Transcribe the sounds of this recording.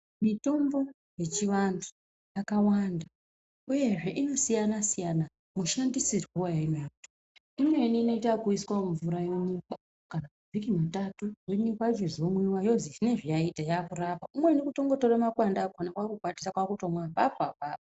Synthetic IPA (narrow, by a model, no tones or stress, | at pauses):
mito̞mbo̞ | je̞t͡ʃiʋantʰu̥ | jakawanda | uje̞ʐe̞ʔino̞sijanasijana | muʃandisirweojainojakuto | imwe̞niːno̞itakuiskwaɱvuɾajoɲika | kanamuvʱikimatatuwinikwat͡ʃizomwiwajo̞ziʐine̞ʐijaitajakurapaumwe̞nikuto̞ŋɡo̞to̞ramakwandaːkonakwakukwati̥sakwakutomwapapapaː